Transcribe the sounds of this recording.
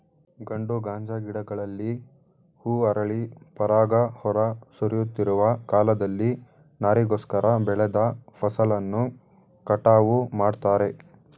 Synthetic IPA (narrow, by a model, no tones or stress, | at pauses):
ɡɐɳɖuɡaːɲd͡ʒɐɡiɽɐɡɐɭɐlːi | huːɐɾɐɭipɐɾaːɡɐhɔɾɐsuɾjut̪ːiɾuʋɐkaːlɐd̪ɐlːi | naːɾiɡoːskɐɾʔɐbɛɭɛd̪ɐpʰɐsɐlɐnːu | kɐʈaːʋumaːɖt̪aːɾe̞